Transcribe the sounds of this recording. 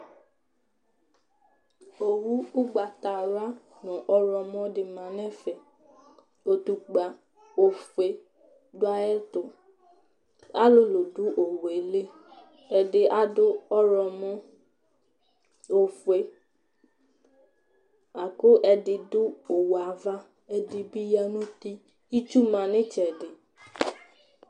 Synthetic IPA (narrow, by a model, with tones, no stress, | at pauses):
o˨wu˦u˦ɡ͡ba˨ta˨ɾa˦ | nɔ̃˨ʔɔ˦ɾɔ˧mɔ̃˧dɪ˧mã˨˦nɛ̃˦fɛ˨ | o˧tu˦ɡ͡ba˨ | o˧fe˧ | dʊ˦a˦ɛ˦to˨ | a˦lo˦lo˨du˨˦ʔo˨we˨˦le˦ | ɛ˨dɪ˨ʔa˦dʊ˦ɔ˦ɾɔ˨mɔ̃˦ | o˨fwe˨ | a˨kʊ˦ʔɛ˨dɪ˨dʊ˦o˨wa˨va˦ | ɛ˨dɪ˨bi˦ja˦nũ˦t̪i˦ | i˦t͡ʃu˦mã˨nɪ̃˦t͡ʃɛ˨dɪ˨